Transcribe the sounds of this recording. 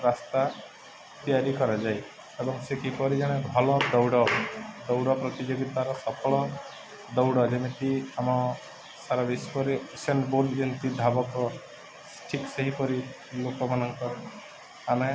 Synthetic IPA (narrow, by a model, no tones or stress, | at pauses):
ɾast̪a | t̪ijaɾikɔɾad͡ʒaj | ebɔŋsekipɔɾid͡ʒaɽ̃ebʱɔlɔd̪ɔwɽɔd̪ɔwɽɔpɾɔt̪id͡ʒoɡit̪aɾɔsɔpʰɔɭɔ | d̪ɔwɽɔd͡ʒemeʈ̪iamɔ | saɾabispɔɾiseɳʈboɾɖd͡ʒint̪id̪ʱabɔkɔ | ʈʰikseɦipɔɾi | lokɔmanɔŋkɔ | ame